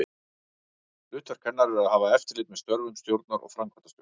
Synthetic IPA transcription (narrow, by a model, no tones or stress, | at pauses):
ʏːt̪ʰaɾ̥kʰɛnːaɾɛɾaðhaːvaɛft̪ɪ̥ɾlɪːt̪̚mɛðst̪œɾvʏmst̪jowɾt̪naɾʔɔ̰ɣfɾamkʰvḁt̪ḁst̪j